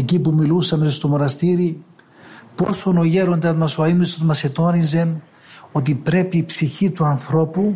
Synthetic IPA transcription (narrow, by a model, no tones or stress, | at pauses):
ecipumilusɐmest̪o̞mo̞nɐst̪iɾi | po̞̰so̞no̞ʝe̞ɾo̞nd̪ɐðmɐsoɐimist̪oðmɐse̞t̪o̞nize̞n | o̞t̪̬ipɾe̞piːpsiçit̪uɐnθɾo̞pu